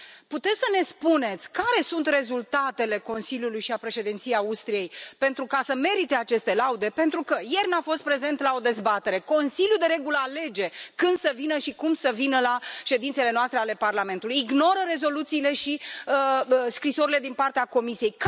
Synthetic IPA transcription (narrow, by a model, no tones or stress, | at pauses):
put̪e̞t̪sʲsəne̞spune̞t̪sʲkaɾe̞sunt̪re̞zult̪at̪e̞le̞ko̞nsiljulujʃiapɾe̞ʃe̞d̪int̪sijeaust̪ɾije̞jpe̞nt̪ɾukasəme̞ɾit̪e̞at͡ʃe̞st̪e̞laud̪e̞pe̞nt̪ɾukəje̞rnafo̞st̪pɾe̞ze̞nt̪lao̞d̪e̞zbat̪e̞ɾe̞ko̞nsiljud̪e̞ɾe̞ɡuləale̞d͡ʒe̞kɨnd̪̥səvinəʃikumsəvinəlaʃe̞d̪int̪se̞le̞noast̪ɾeale̞parlame̞nt̪ulujiɡno̞ɾəɾe̞zo̞lut̪siːle̞ʃiəskɾiso̞ɾile̞d̪inpart̪eako̞misijejk